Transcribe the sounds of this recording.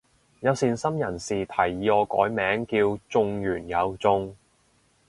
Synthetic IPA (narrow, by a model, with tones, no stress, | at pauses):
jɐ˨˧wsiː˨nsɐ˥mjɐ˨˩nsiː˨t̪ʰɐ˨˩jiː˨˧ɔː˧kɔ̰ː˨˥jmɛː˨˥ŋkiː˧wt͡sʊ˧ŋjyː˨˩njɐ˨˧wt͡sʊ˧ŋ